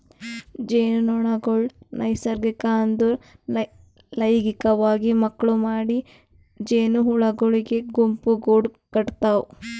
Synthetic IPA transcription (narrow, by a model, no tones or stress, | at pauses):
d͡ʒeːnɔɳɐɡoɭnɐjsɐɾɡikaːnd̪un | lɐjɡikɐʋaːɡimɐkːɐɭumaːɽi | d͡ʒeːnuɦuɭɐɡoɭiɡeɡumpuɡoːɖ | kɐʈt̪aːwu